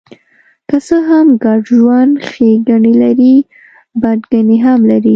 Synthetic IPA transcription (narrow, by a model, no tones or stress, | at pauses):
kasəɦamɡɑɖʒwand̪xeɡaɳelaɾi | baɖɡaneɦamlaɾi